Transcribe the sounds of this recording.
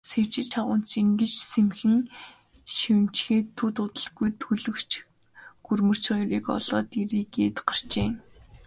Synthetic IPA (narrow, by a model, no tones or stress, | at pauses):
sert͡ɕɪ̆ɮt͡ɕʰaʁʊːn̥t͡ɕiŋɡɘ̆t͡ɕsemxɘ̆ŋ | ʃiwɘ̆n̥t͡ɕxeːt̪ʰːut̪ʊt̪ə̆ɮɡujt̪ʰɵɮɵ̆kt͡ɕ | ɡ̥ɵrmɵ̆r̥t͡ɕɔjriːkɔ̰ɮ̥ɔːt̪iɾiːkeːt̪ɢar̥t͡ɕeː